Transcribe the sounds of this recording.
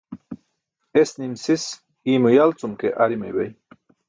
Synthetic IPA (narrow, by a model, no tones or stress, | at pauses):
esnimsis | imujalt͡sumkḛʔaɾimejwej